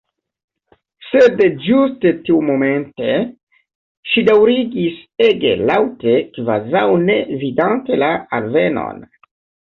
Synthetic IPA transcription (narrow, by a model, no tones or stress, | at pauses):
sedd͡ʒustetiumo̞me̞nte̞ | ʃidawɾiɡiseɡe̞̰lawte̞kva̰zawne̞vidante̞laalveno̰n